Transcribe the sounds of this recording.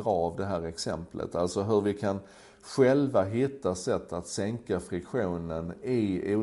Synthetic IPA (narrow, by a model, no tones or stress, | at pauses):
ɾɑːvd̪ɛɦæːɾɛksɛ̰mplə̰t̪alsɔɦɵɾvɪkʰan | ɧɛlvaɦɪt̪ːasɛt̪ʰːat̪sɛŋkafɾɪkɧuːnənɪuː